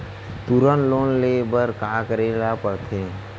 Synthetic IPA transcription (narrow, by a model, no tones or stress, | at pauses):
t̪uɾənloːnleːbəɾkaːkəɾeːlapəɾt̪ʰeː